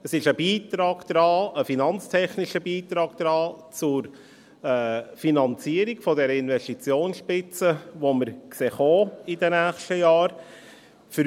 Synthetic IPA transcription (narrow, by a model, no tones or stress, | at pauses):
əsɪʃəbiːt̪ɾɑːɡ̥d̪̥ɾɑːəfinɑnt͡stʰɛχnɪʃəbiːt̪ɾɑːɡ̥d̥̪ɾɑːt͡sʊɾ | ɛːfinɑnt͡siəɾɪɡ̥fɔdɛɾəɪnvɛʃtit͡sjoːnsʃpɪt͡səʋoməɾkseːχoːidənæːχʃtəjɑːɾ | fəɾ